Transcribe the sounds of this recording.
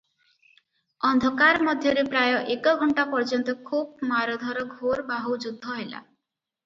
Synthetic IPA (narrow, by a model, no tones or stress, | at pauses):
ɔnd̪ʱɔkaɾmɔd̪ʱjɔɾepɾajɔʔekɔɡʱɔɳʈapɔɾd͡ʒɔnt̪ɔkʰub̚maɾɔd̪ʱɔɾɔɡʱoɾbaɦuwd͡ʒud̪ʱːɔɦela̰